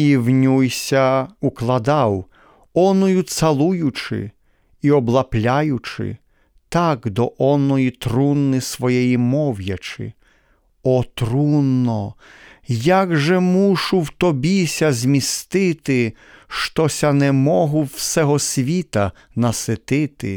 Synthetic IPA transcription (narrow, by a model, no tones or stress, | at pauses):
iwnʲujsʲɐuklˠɐd̪ɑw | ɔnɔjʊt̪sɐlˠujʊt͡ʃɪ̰ | iɔblˠɐplʲajʊt͡ʃɪ̰ | t̪ɑkd̪ɔʔɔnɔjit̪ɾunːɪsʋɔjɛjimɔwjɐt͡ʃɪ̰ | ɔt̪ɾunːɔ | jaɡʒɛmuʃʊwt̪ɔbʲisʲɐzʲmʲist̪ɪt̪ɪ | ʃt̪ɔsʲɐnɛmɔɦʊwsɛɦɔsʲʋʲit̪ɐ | nɐsɪt̪ɪt̪ɪ̰